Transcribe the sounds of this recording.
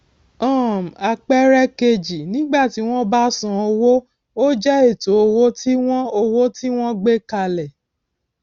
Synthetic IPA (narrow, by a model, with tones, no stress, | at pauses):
ɔ̃˦˨m˨a˧k͡pɛ˦ɾɛ˦ke˧d͡ʒi˨nĩ˦ɡ͡ba˦˨ti˨˦w̃ɔ̃˦ba˦sɔ̃˨o˧wo˦ | o˦d͡ʒɛ˦e˦˨to˨˦o˧wo˦ti˦w̃ɔ̃˦o˧wo˦ti˦w̃ɔ̃˦ɡ͡be˦ka˧lɛ˨